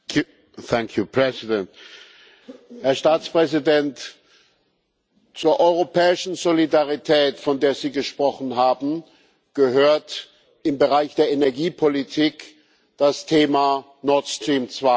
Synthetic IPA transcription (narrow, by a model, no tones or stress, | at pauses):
θɛŋkʰjupʰɹɛzidɛnt | hɛɐʃtaːt͡spʁ̥ɛzidɛnt | t͡suːɐʔɔʏʁopʰɛːɪʃn̩zolidaʁitʰɛːtfɔndeːɐziːɡəʃpʁ̥ɔχn̩ɦaːbm̩ | ɡ̥əɦøːɐt | ɪmbəʁaɪçd̥eːɐʔenɛɐɡiːpʰolitʰiːk | d̥astʰeːma | nɔɐtstʁ̥iːmt͡sv̥a